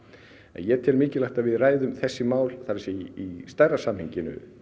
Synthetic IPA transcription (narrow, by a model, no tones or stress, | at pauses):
ɛ̰njɛt̪ʰɛɾmɪːcɪlajht̪avɪðraːjðʏmθɛsːɪmaːwlθaɾsɪiist̪aːjrasamhɪɲcɪnʏ̰